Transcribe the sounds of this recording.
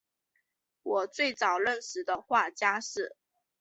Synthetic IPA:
wɔ˨˩t͡swe˥˩ɪt͡sɑ˨˩ʊlə˥˩nʂɻ̩˨˥d̪ə˧xwa˥˩t͡ɕja˥ʂɻ̩˥˩

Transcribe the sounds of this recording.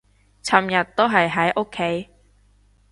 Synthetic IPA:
t͡sʰɐ˨mjɐ˨t̪̚ːo˥wɦɐ˨jɦɐ˨˥jʔo˥kʰːe˨˥j

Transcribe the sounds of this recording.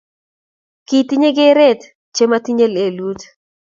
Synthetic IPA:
ki˨ti˦ɲe˦ɡe˦ɾɛ˦t̪ | t͡ʃe˦mati˦ɲe˦le˨lu˦t

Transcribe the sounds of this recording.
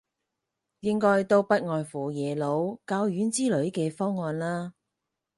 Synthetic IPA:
jɪ˥ŋkɔː˥jt̪o˧wpɐ˥t̚ŋɔː˨nfuː˨˩jɛː˨˩lo˨˧˥wkaː˧wjyː˨˥nt͡siː˥lɵ˨˥ɥkɛː˧fɔː˥ŋːɔː˧nlaː˥

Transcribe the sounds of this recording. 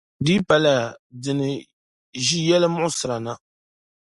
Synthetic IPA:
di˦pa˨la˨dɨ˨nɨ˨ | ʒi˦jɛ˦lɨ˦mʊ˦ʔʊ˦sɨ˨ɾa˨na˦

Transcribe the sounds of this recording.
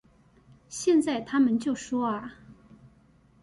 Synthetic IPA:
ɕjɛ˥˧nt͡sa˥˩ɪt̪ʰa˥mə˨nt͡ɕjo˥˩ʊʂwɔ˥ɐ˨˩

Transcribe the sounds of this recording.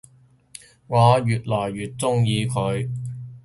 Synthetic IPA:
ŋɔː˨˧jyː˨˩t̚lɔː˨˩jːyː˨t̚t͡sʊ˥ŋjiː˨˧kʰɵ˨˧ɥ

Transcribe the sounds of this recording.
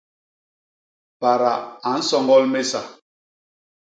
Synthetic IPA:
pa˨ɾa̰˨a˨˦n̩˦sɔ˦˨ŋɡɔ˦lme˦sa˨

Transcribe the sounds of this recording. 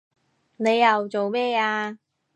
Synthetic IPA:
ne˨˧jːɐ˨wt͡so˨wmɛː˥aː˧

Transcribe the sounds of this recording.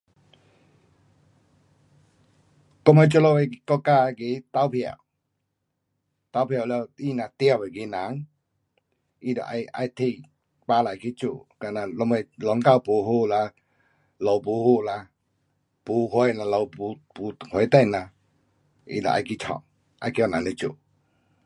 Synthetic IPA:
kɔ˦me˧˦t͡ɕu˧˦lɔ˧˨we˧kɔ˧ka˧ki˨˦t̪a˧˦wpʰja̰˨w | t̪a˧˦wpʰja˨˩˨lɛ˧˨i˧˨nã˧t̪ja˧˨e˨ki˨˦nã˨˦ŋ | i˧˨dɔ̰˨ʔa̰˧ja̰˧jt̪ʰi˧ | pa˧˦la˨jki˦t͡ɕṵ˨ka˧˨na˧lɔ˧˦mɛ˧lɔ˨˦ŋka˧˨wpu˨˦ɦu˧˨la˧ | lɔ˨wpu˨˦hu˧˨la˧ | pu˨˦hwe˧jna˧lɔ˧˨pu˨˧˦pu˨˦˨hwe˨˦t̪ɛ̃˥˧˨nã˧ | ḭ˧˨dɔ̰˨ʔa̰˧jki˦t͡ʃʰɔ̰̃˨ŋ | a̰˧˦jki˧˨nã˨˦ŋde˧˦t͡ɕṵ˨

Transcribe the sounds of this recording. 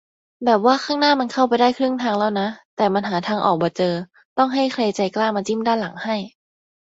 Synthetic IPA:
bɛː˨˩p̚waː˥˩xʰaː˥˩ŋnaː˥˩ma˧nkʰa˥˩wpa˧jdaː˥˩jkʰɾɯ˥˩əŋt̪ʰaː˧ŋlɛː˧˩wna˦˥t̪ɛː˨˩ma˧nɦaː˩˦t̪ʰaː˧ŋʔɔ̰ː˨˩k̚bɔː˨˧˦t͡ɕɤː˧ | t̪ɔ˥˩ŋɦa˥˩jkʰleː˧t͡ɕa˧jklaː˥˩maː˧t͡ɕi˥˩˨mdaː˥˩nla˨˩˦ŋha˥˩j

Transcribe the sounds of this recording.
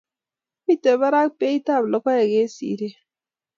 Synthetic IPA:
mi˦te˨ba˦ɾa˦k̚pe˦i˦ta˦˨blɔ˨kɔ˦ja˨ɡe˦sḭ˨˦ɾe˦

